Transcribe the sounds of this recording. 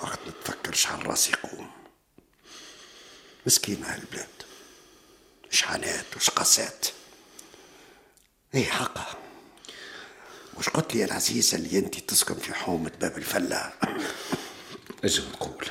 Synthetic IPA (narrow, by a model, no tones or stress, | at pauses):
waɡt̪mæt̪fakːɑɾʃʕa̰nrˤːɑ̰ːsiquːm | məskiːnahæləlblæːd̪̥ | ʃʕa̰næːt̪wʃqɑsæːt̪ | ʔiːħɑqːɑ | buːʃqʊt̪liælʕaziːzalːiʔɪnt̪it̪ɪskʊmfiħuːmət̪̚bæːbɪlfælːa̰ | ʔɪʒəmt̪quːl